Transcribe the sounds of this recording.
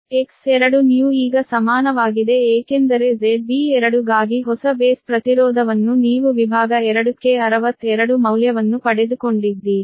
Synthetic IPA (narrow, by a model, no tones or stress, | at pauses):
eksɛɾɐɽunijuːuiːɡɐsɐmaːnɐʋaːɡid̪e̞eːkend̪ɐɾe̞d͡ʒebiɛɾɐɽuɡaːɡiɦɔsɐbeːspɾɐt̪iɾɔːd̪ʱɐʋɐnːuniːʋuʋibʱaːɡɐɛɾɐɽukeɐɾɐʋɐt̪ːɛɾɐɽumɐwljɐʋɐnːupɐɽe̞d̪uko̞ɳɖid̪ːi